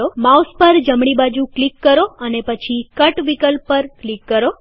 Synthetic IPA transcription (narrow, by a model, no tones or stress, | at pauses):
omauspəɾd͡ʒəmɽibad͡ʒũklikːəɾoənepət͡ʃʰikəʈʋikəlpːəɾklikːəɾo